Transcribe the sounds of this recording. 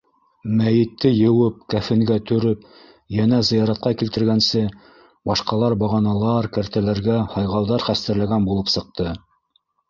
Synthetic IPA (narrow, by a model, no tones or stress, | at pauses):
mæjɘ̆t̪ːɘjɤ̆wɤp̚kæfɘ̆ŋɡæt̪ɵ̆ɾɵp | jænæzɤ̆jɑɾɑt̪̚qɑkilt̪ɘ̆ɾɡænsɘ | bɑʃqɑlˠɑɾbɑʁɑnɑlˠɑɾkæɾt̪ælæɾɡæhɑjʁɑwðɑɾχæst̪æ̆ɾlæɡænbulˠɤpsɤ̆q̚t̪ɤ